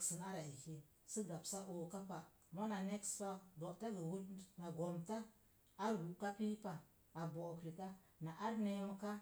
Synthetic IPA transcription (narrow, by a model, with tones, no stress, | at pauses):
ksə˨na˦ɾa˨i˨he˨ | sɨ˦ɡa˨psa˦ʔo˨ka˦pa˨ | mo˦na˨ne˦ksta˦k̚bo˨ʔta˦ɡə˨wu˦tna˨ɡo˨mtaː˦ | ɾɡu˨ka˦pi˦pa˨ | a˨bo˨kɾi˨ka˦ | na˨ʔa˦ɾne˦mə˦ka˦